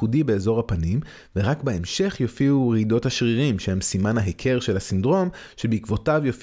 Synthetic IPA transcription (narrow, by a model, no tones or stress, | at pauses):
udibeːzo̞ʁhapanim | ve̞ʁakbeemʃe̞χjofiuʁido̞thaʃʁiʁimʃehemsimanaɦekʰe̞ʁʃe̞lhasindʁo̞m | ʃebeikvo̞tavjof